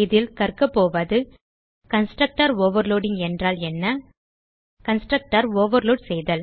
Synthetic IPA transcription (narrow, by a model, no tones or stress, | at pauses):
ðɪlkɐɾkɐpːoːʋɐðɯ | kɐnsʈɾɐk̚ʈɐɾoːʋɐɾloːɽɪŋɛndraːlɛnːɐ | kɐnsʈɾɐk̚ʈɐɾoːʋɐɾloːɽsɛjðɐl